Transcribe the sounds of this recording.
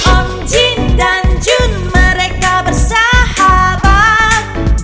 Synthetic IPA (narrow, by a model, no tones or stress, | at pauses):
ʔɔn | d͡ʒindand͡ʒʊnməɾekabərsahabat̪̚